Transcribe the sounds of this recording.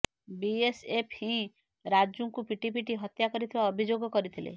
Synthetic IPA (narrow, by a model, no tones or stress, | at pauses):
biesepʰhĩ | ɾad͡ʒuŋkupiʈip̬iʈiɦɔt̪jakɔɾit̪ʰibaɔbʱid͡ʒoɡɔkɔɾit̪ʰilḛ